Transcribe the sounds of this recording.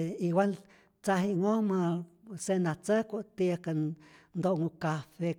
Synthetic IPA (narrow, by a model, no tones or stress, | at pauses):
iwʷal | t͡saɦiŋomasenat͡səkʷot̪ikand̪oʔŋukafe